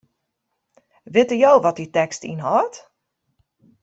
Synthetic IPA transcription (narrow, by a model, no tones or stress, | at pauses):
ʋɪtəjowʋɔt̚ditɛkstḭnɦɔːt